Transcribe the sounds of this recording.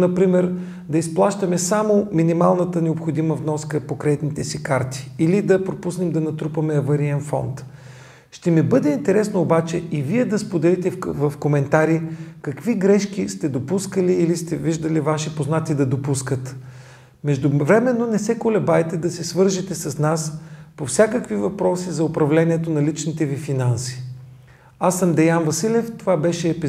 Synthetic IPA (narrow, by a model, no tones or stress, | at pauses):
nɐpɾimɛɾ | d̪ɐisplˠaʃt̪ɐmɛsamominimalˠnət̪ənɛopxod̪iməvnɔskəpokɾɛt̪nit̪ɛsikaɾt̪i̥ːlid̪ɐpɾopusnɛmd̪ɐnɐt̪ɾupɐmɛːvɐɾiɛnfɔ̰nt̪ | ʃt̪ɛmibɤd̪ɛint̪ɛɾɛsnoːbat͡ʃɛiviɛd̪ɐspod̪ɛlit̪ɛvɐfkomɛnt̪aɾikɐkviɡɾɛʃkist̪ɛd̪opuskəliːlist̪ɛviʒd̪əlivaʃipoznat̪id̪ɐd̪opuskət̪ | mɛʒd̪ʊvɾɛmɛnːonɛsɛkolɛbajt̪ɛd̪ɐsɛsvɤɾʒit̪ɛsɐsnaspofsʲjakəkvivɐpɾɔsizɐʊpɾɐvlɛnʲiɛt̪onɐlit͡ʃnit̪ɛvifinansi̥ | asəmd̪ɛjanvɐsilɛft̪ovabɛʃɛːpi